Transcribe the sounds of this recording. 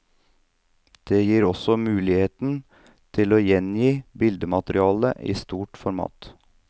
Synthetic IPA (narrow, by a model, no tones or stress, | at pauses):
d̪̥eːjiːɾɔsɔmʉːlɪheːt̪n̩ | t̪ʰɪloːjɛnjiːbɪld̪əmɑt̪ɾɪɑːləʔḭːst̪uːʈfɔɾmɑ̰ːt̪